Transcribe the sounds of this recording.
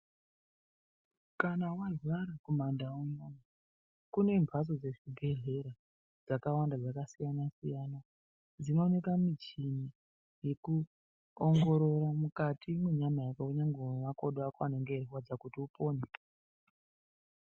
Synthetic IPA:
kanawarwaɾakomandauɲona | kune̞mbʱas̬o̞d͡ze̞ʐibʱe̞ɮe̞ɾa | d͡zakawandad͡zakasijanasijaːna | d͡zino̞ne̞kamit͡ʃini | je̞ku | oŋɡo̞ɾo̞ɾamukatʰimweɲamajakakuɲaŋɡemakoɗoakwaneŋɡeriwad͡zakutiupo̞ːne

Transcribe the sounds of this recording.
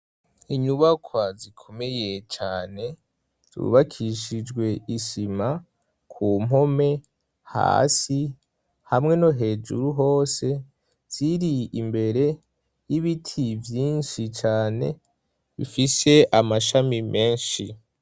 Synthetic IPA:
iɲuβakʰwazikʰo̞me̞je̞t͡ʃaːne̞ | z̥ṵβakʰiʃid͡ʒɡwe̞iʃima | kʰuːmɦo̞me̞ | ha̰ːsi | hamŋe̞no̞ɦe̞ːd͡ʒṵɾuɦo̞ːse̞ | z̥iɾiimbe̞ɾe̞ | jiβitʰivjiːnʃit͡ʃaːne̞̰ | βḭfise̞ʔamaʃamimʔe̞ːnʃi

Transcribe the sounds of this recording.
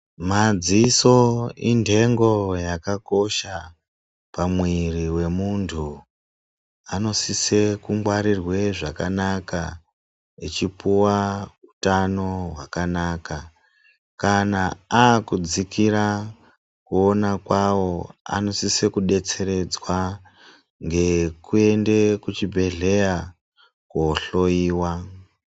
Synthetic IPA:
mad͡zisoinde̞ŋɡo̞jakako̞ʃa | pamwiriwe̞muntʰu | ano̞sise̞kuŋɡwaɾirwe̞ʐakanaka | it͡ʃipuwautano̞ɦwakanaːka | kanaakud͡zikiɾa | kuonakwawo̞a̰no̞sisekuɗe̞t͡se̞ɾe̞d͡zwa | ŋɡe̞kue̞nde̞kut͡ʃibʱe̞ɮe̞ja | koɬo̞iːwa

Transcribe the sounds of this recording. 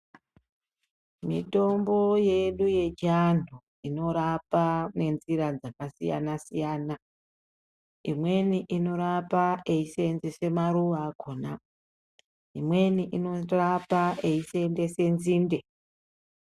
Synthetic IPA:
mḭto̞mbo̞je̞ɗuje̞d͡ʒan̤u | ino̞ɾapane̞nziɾad͡zakasija̰nasijaːna | imwe̞niʔino̞ɾapaʔeisenzese̞maɾuʋaɡʱona | imwe̞niʔino̞rapaeise̞nde̞se̞nziːnde̞

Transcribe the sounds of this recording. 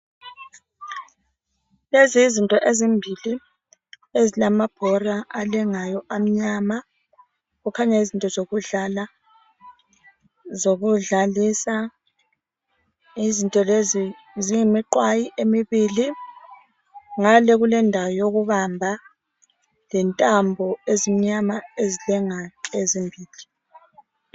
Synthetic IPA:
leziːzintʼɔʔezimbʱili | ezilamab̥ʱɔraalɛŋajɔʔam̩ɲama | ɣukʰaɲaizintʼɔzoɣuɮala | zoɣuɮalisa | izintʼɔlezi | ziŋemiǃwajiʔemiβiːli | ŋalɛɣulɛndʱawɔjoɣuβambʱa | lɛntʼambʱɔezim̩ɲamaezilɛŋakezimbʱiːli

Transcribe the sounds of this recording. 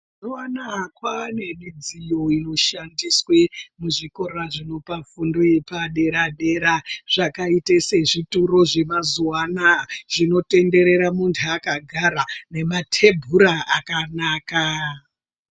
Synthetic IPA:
zuanakwane̞mid͡zijo̞ino̞ʃandiswemuʐiko̞raʐino̞pafundoepaɗe̞ɾaɗe̞ɾaʐ̥akaitese̞ʐituɾo̞ʐe̞mazuwanaʐino̞te̞nde̞ɾe̞ɾamuntʰuakaɡʱaɾane̞matʰe̞bʱuɾaakanaːka

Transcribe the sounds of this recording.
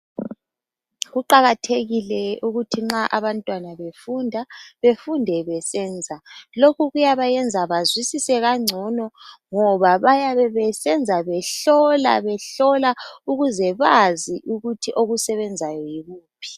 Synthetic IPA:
ɣuǃaɣatʰeɣilɛuɣutʰiŋ͡ǁaʔaβantʼwanaβefundʱaβefundʱɛβɛsɛːnd͡zʱalokuɣujaβajɛnd͡zʱaβazwisisɛɣaŋ͡ǀʱɔnɔŋɔβaβajaβɛβɛsɛnd͡zʱaβɛɬɔla̰βɛɬɔlauɣuzɛβaziʔuɣutʰiʔoɣusɛβɛnd͡zʱajɔjiɣuːpʰi̥

